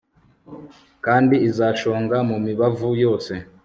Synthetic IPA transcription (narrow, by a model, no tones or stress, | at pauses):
kaːndiːzaːʃo̞ːŋɡamumiβavujo̞ːse̞